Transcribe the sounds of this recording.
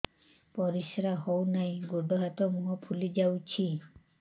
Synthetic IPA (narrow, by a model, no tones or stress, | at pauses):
pɔɾisɾaɦɔwnajɡoɖɔɦat̪ɔmuɦɔpʰulid͡ʒawt͡ʃʰi